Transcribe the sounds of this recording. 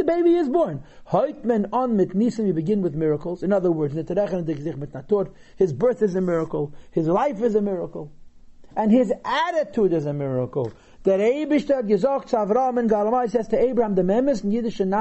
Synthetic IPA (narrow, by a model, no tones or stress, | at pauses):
əbeɪbiɪzbɔɹnhoɪkmɛnɔnmɪtnisɪnwibɪɡɪ̃nwɪðmɪɹəkl̩ˠzɪ̃nʌðə˞wɜ˞znɪtʰəɾɛχənəndɪkzɪχmɪtnatʊɾ | hɪzbɜ˞θɪzəmɪɹəkl̩ˠhɪzlˠaɪfɪzəmɪɹəkl̩ˠ | ɛ̃nhɪzæɾɪtʰudɪzəmɪɹəkl̩ˠ | d̪̥ɪɾeɪbɪʃtəɔt̚ɡəzɔktt͡sʊavɾɔəmɪnɡalˠmaɪs̬ɛztʰəeɪbɾəhamdəmɛməs̬ɪn̩jɪdɪʃəna